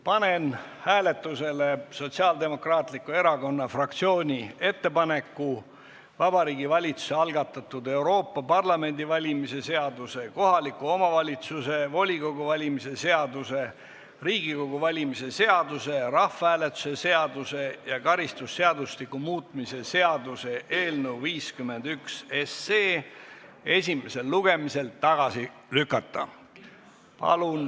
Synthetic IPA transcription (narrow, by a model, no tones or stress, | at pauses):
pɑne̞n | hæːle̞t̪ːˑuse̞le̞so̞t̪siɑːld̪e̞mo̞krɑːt̪ˑlikːˑue̞ɾɑko̞nːɑfrɑk̚t̪sio̞ːnʲie̞t̪ːe̞pɑne̞kːˑu | vɑbɑɾiːɡivɑlʲit̪su̥se̞ɑlɡ̥ɑt̪ːˑɑt̪ːud̪e̞wɾo̞ːpːɑpɑrlɑme̞nʲd̪ivɑlʲimise̞se̞ɑd̪use̞ko̞ɦɑlikːuo̞mɑvɑlʲit̪suse̞vo̞lʲiko̞ɡ̥uvɑlʲimise̞se̞ɑd̪use̞ | riːɡ̥iko̞ɡ̥uvɑlʲimise̞se̞ɑd̪use̞rɑfɑæːlet̪ːˑu̥se̞se̞ɑd̪̥use̞jɑkɑɾist̪usːe̞ɑd̪uslikːˑumuːt̪ˑmise̞se̞ɑd̪̥use̞ʔe̞ːlnəwviːskymːe̞nd̪̥ykseseː | e̞sʲime̞se̞lːuɡ̥e̞mise̞lt̪ːɑɡ̥ɑsi | lykːˑɑt̪ːˑɑ | pɑ̰lun